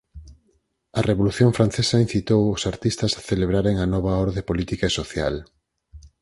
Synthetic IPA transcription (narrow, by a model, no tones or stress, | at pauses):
ɐreβoluθjoɱfɾanθesɐin̟θit̪owʊsaɾt̪ist̪ɐsaθeleβɾaɾeŋanɔβ̞aɔɾðepolit̪ikaesoθja̰l